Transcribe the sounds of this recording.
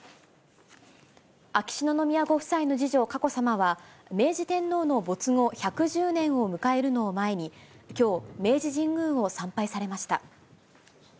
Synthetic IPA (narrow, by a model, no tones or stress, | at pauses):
akʲi̥ɕino̞no̞mʲiaɡo̞ɸɯ̟̥saino̞ʑiʑo̞kako̞samaβame̞ːʑit̪ẽ̞nːo̞ːno̞bo̞t͡sɨŋo̞çakɯ̟ʑɨːnẽ̞ɰ̃o̞mɯ̟kaeɾɯ̟no̞ːmae̞ɲ̟ikʲo̞ːme̞ːʑiʑĩŋɡɯ̟̃ɰ̃o̞sãmpaisaɾe̞maɕi̥t̪a